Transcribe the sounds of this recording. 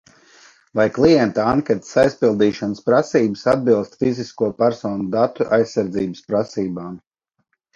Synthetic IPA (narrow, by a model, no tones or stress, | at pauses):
vajklˠijɛnt̪aaŋkʲɛt̪sajspilˠd̪iːʃanspɾasiːbəsad̪̚bilˠst̪fiziskuɔpæɾsɔːnud̪at̪uʔa̰jsːaɾd̪ziːbəspɾasiːbaːm